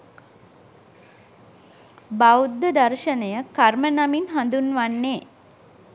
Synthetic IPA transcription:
bawd̪ːəd̪ɐɾʃənəjəkaɾmənaminɦand̪unʋanːeː

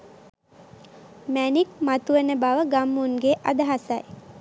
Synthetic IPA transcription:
mænik̚mat̪uʋənəbaʋəɡamːunɡeʔad̪əɦasaj

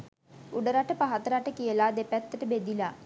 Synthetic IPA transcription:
uɖəɾaʈəpaɦat̪əɾaʈəkijəlaːd̪epɛt̪ːəʈəbed̪ila

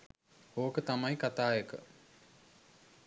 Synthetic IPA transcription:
oːkət̪amajkat̪aːjəkə̰

